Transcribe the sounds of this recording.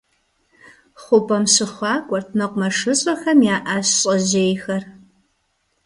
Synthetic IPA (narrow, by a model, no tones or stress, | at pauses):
χʷʊpʼɐmɕɪχʷɑːkʷʼɔrt̚ʰnɐqʷʊmɐʂɨɕʼɐxɐmjaːʔaɕɕʼɐʑeːjxɐr